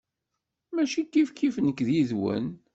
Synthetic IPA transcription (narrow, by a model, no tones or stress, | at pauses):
mæʃikːifkːifnəkːðjiðwə̰n